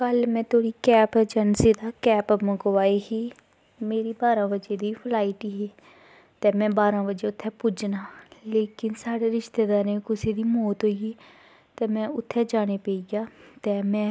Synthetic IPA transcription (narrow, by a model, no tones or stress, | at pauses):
kəlmɛ̃ːt̪oːɽiːkɛːpəd͡ʒənsiːd̪aːkɛːpməɡʋaːiːɦiː | meːɾiːbaːɾãːbəd͡ʒeːd̪iːpʰlaːiʈiɦiː | t̪ɛːmɛ̃ːbaːɾãːʋəd͡ʒeːʊt̪ʰːɛːpʊd͡ʒnaːleːkɪnsaːɽeːɾɪʃt̪eːd̪aːɾẽːkʊsiːd̪iːmoːt̪ɦoːiiː | t̪ɛːmɛ̃ːʊt̪ʰːɛːd͡ʒaːñeːpeiɡaːt̪ɛːmɛ̃ː